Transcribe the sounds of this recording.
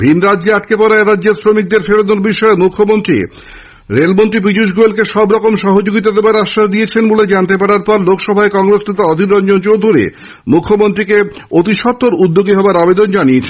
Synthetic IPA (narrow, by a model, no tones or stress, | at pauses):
bʱinɾadd͡ʑeaʈkepɔɾaeɾadːʑeɾsɾomik̚d̪eɾfeɾod̪oɾbiʃɔemukʰːomont̪ɾḭ | ɾelmont̪ɾip̬id͡ʑuʃ̬ɡuelkeʃɔbɾɔkomʃɔɦod͡ʑoɡit̪ad̪ebaɾaʃːaʃd̪ijet͡ɕʰenboled͡ʑant̪epaɾaɾpɔɾlokʰʃɔbʱaekɔŋɾesnet̪aɔd̪ʱiɾɾɔnd͡ʑont͡ɕowd̪ʱuɾḭ | mukʰːomont̪ɾikeot̪iʃɔt̪ːoɾud̪ːoɡiɦɔbaɾabed̪ond͡ʑaniet͡ɕʰen